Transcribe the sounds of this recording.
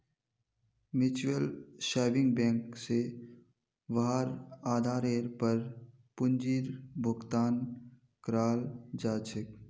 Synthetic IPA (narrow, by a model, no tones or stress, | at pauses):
mɪt͡ʃuelʃaːbɪ̃ŋɡbɛ̃ːŋkse | ʋaɦaːɾaːd̪ʱaːɾeːɾpɐɾ | pʊnd͡ʒiːɾbʱʊɡt̪aːn | kɾaːld͡ʒaːt͡ʃʰɪk